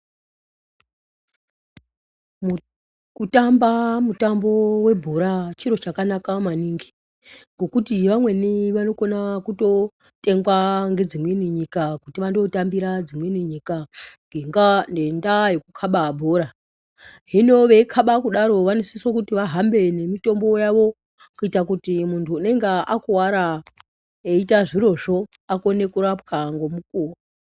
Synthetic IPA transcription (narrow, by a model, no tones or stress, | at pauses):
kutambamutambo̞we̞bʱoɾat͡ʃiɾo̞t͡ʃakanakamaniŋɡi̥ | ŋɡo̞kutiʋamwe̞niʋano̞ko̞nakuto̞ | te̞ŋɡwaŋɡe̞d͡zimweniɲikakutiʋando̞tambiɾad͡zimweniɲikaŋɡeŋɡande̞ndajekukʰaɓabʱoɾa | ɦino̞ʋe̞kʰaɓakuɗaɾo̞ʋanesisokutiʋaɦambe̞ne̞mito̞mbo̞jaʋo̞ | kuitak̬utimuntʰuːne̞ŋɡeakuwaɾa | eitaʐiɾo̞ʐo̞ | ako̞ne̞kuɾapxaŋɡo̞mukuːwa